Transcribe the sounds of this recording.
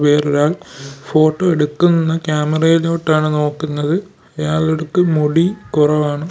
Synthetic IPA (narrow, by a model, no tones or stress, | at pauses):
peːriɾaːɭfo̞ːʈːo̞ːeɽukːunnːɐkjaːmɐrɐjiloːʈːaːɳɨno̞ːkːunːɐðɨ | ɐjaːɭeɽukːɨmoɽikurɐʋaːɳɨ